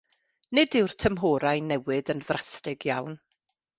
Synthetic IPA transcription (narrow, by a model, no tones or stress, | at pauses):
nɪdɪwr̥tʰəmɦoːɾajnɛwɪdənðrastɪɡjawn